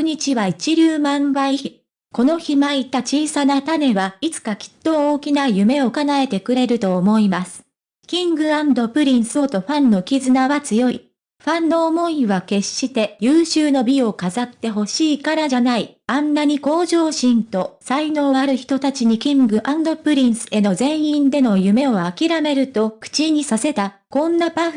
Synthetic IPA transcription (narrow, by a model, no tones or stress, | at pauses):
ɯɲ̟it͡ɕiβait͡ɕiɾʲɨːmãɰbaiçi | ko̞no̞çimait̪at͡ɕiːsanat̪ane̞βait͡sɨ̥kakʲi̥t̪ːo̞oːkʲinajɯ̟me̞o̞kanae̞t̪e̞kɯ̟ɾe̞ɾɯ̟t̪o̞ːmo̞imasɨ̥ | kʲĩŋɡɯ̟ãnd̪o̞pɯ̟ɾʲĩɰ̃sɨo̞t̪o̞ɸãnːo̞kʲizɨnaβat͡sɨjo̞ḭ | ɸãnːo̞ːmo̞iβake̞ɕːit̪e̞jɯːɕɨːno̞bʲio̞kazat̪ːe̞ɦo̞ɕiːkaɾaʑanai | ãnːaɲ̟iko̞ːʑo̞ːɕĩnt̪o̞saino̞ːaɾɯ̟çi̥t̪o̞t̪at͡ɕiɲ̟ikʲĩŋɡɯ̟ʔãnd̪o̞pɯ̟ɾʲĩɰ̃sɨ̥e̞no̞zẽ̞ɰ̃ĩnd̪e̞no̞jɯ̟me̞o̞akʲiɾame̞ɾɯ̟t̪o̞kɯ̟̥t͡ɕiɲ̟isase̞t̪a | kõ̞nːapa